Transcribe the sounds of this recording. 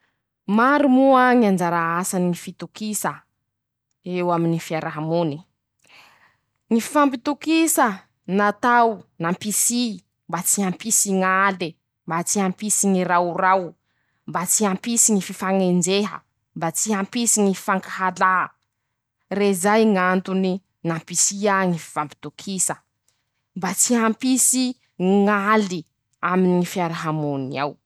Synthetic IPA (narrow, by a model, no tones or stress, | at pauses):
maɾumuaŋand͡ʒaɾaasaniifit̪ukisə | ewaminifiaɾaɦamuni | ŋififampit̪ukisə | nat̪awnampisi | mbat͡siampisiŋale | mbat͡siampisiŋiɾawraw | mbat͡siampisiŋififaŋend͡zeɦə̰ | mbat͡siampisiŋii̥faŋkaɦala | rezajŋant̪uni | nampisiaŋifiv̥ampi̥t̪ukʰisə | mbat͡siɦampisi | ŋali | aminiifiaɾaɦamonia̰w